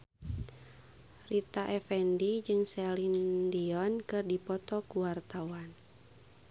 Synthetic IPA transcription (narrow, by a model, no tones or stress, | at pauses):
rit̪aʔɛfɛndid͡ʒɨŋsɛlindiɔnkɨrdipɔt̪ɔkuwart̪awan